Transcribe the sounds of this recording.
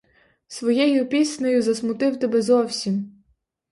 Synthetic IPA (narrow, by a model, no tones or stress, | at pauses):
sʋɔjɛjʊpʲisnɔjʊzɐsmʊt̪ɪwt̪ɛbɛzɔwsʲim